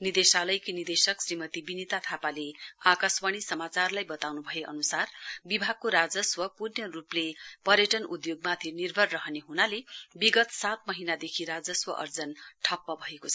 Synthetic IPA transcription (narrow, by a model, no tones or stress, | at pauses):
nid̪esalʌjkinird̪esʌksrimʌt̪ibinit̪at̪ʰapaleakaswʌɽ̃isʌmat͡sarlajbʌt̪awnubʱʌeʔʌ̰nusarbibʱaɡ̚koɾad͡zʌswʌpurjʌruplepʌɾjʌʈʌnud̪joɡmat̪ʰinirbʱʌrːʌɦʌneɦunalebiɡʌt̪sat̪̚mʌɦinad̪ekʰiɾad͡zʌswʌʔʌ̰rd͡zʌnʈʰʌpːʌbʱʌeko